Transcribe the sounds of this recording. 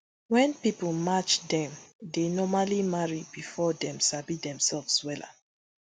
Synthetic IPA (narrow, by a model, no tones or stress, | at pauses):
wɛ̃npipl̩mat͡ʃdɛ̃mdenɔmalimaɹibifɔdɛ̃msabidɛ̃msɛlvswɛla̰